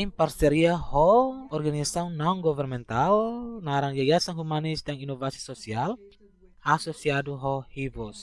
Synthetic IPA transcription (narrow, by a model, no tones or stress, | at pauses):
imparsɛɾiahɔɔrɡanisaunnauŋɡɔvɛrnmɛnt̪alnaɾaŋɡaɡasanɦumanisdaŋinɔvasi̥sɔsial | asɔsiaduɦɔhivɔs